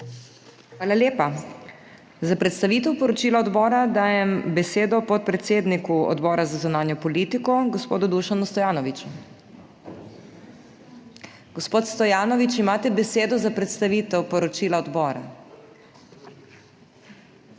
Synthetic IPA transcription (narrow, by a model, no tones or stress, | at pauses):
xʋaːlaljeːpa | zapɾɛt̪st̪aʋiːt̪ɛwpɔɾɔt͡ʃiːlaɔd̪bɔːɾad̪aːjɛmbɛseːd̪ɔpɔt̪̚pɾɛt̪seːd̪nikuɔ̰d̪bɔːɾazazunaːnjɔpɔliːt̪ikɔɡɔspoːd̪ud̪uʃanust̪ɔjaːnɔʋit͡ʃu | ɡ̥ɔspoːt̪st̪ɔjaːnɔʋit͡ʃimaːt̪ɛbɛseːd̪ɔzapɾɛt̪st̪aʋiːt̪ɛwpɔɾɔt͡ʃiːlaɔd̪bɔːɾa̰